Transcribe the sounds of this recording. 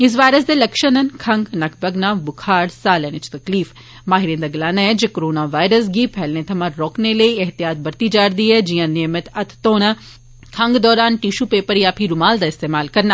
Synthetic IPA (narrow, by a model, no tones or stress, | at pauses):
ɪs̬ʋaːjɾəs̬d̪elɐkʃənɐnkʰɐ̃ŋɡnɐkʰbɐɡnaːbʊkʰaːɽsaːlɛːnɪt͡ʃt̪ɐkliːf | maːɦɪɾiːənd̪aɡɐlaːnaɛd͡ʒekoɾoːnaʋaːjɾəs̬ɡipʰɛːlnet̪ʰɐmãɾɔːkneləiɐɦt̪ijaːt̪̚bɐɾt̪id͡ʒaːɾd̪iɦɛd͡ʒijãːneːmət̪ɐt̪ʰt̪oːna | kʰɐ̃ŋɡd̪ɔːɾaːnʈiʃupeːpəɾjapʰiɾʊmaːld̪aːɪst̪eːmaːlkɐɾna